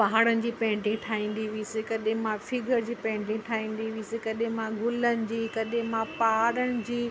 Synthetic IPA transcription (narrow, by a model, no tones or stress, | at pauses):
pɐɦaːɽənɪ̆d͡ʑiːpɛ̃ːɳʈɪ̃ŋɡʈʰaːĩːn̆d̪iʋiisɪkɐɗɪ̃mãfɪɡʱəɾd͡ʑiːpɛ̃ːɪ̃ɳʈɪ̃ŋʈʰaːĩːn̆d̪iʋisɪkɐɗɪ̃mãɡʱʊlənɪ̆d͡ʑiːkɐɗɪ̃mãpaɦaɾəɽ̃ɪ̆d͡ʑiː